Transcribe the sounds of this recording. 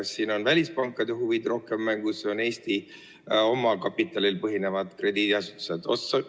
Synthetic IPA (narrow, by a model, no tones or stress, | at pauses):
ɑsːiːno̞nvælʲispɑŋkːˑɑd̪̥e̞ɦuvid̪̥ro̞hke̞mːæŋɡ̥useo̞ne̞ːst̪i | o̞mɑkɑpːit̪ːˑɑlilpɤɦine̞vɑd̪̥kre̞d̪̥id̪iɑsu̥t̪ːˑu̥se̞d̪̥o̞̰t̪sɑ